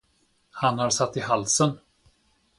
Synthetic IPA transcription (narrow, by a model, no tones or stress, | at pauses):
hanhaɾsat̪ːɪɦalsən